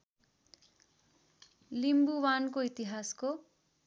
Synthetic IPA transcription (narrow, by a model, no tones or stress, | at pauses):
limbuwankoit̪iɦasko